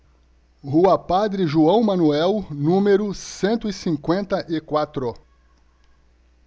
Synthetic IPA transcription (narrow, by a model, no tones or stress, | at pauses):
huɐpad̪ɾɪʒuɐ̃w̃mɐ̃nuɛwnũmeɾʊsẽnt̪ʊisĩŋkwẽnt̪ɐʔɪkwat̪ɾʊ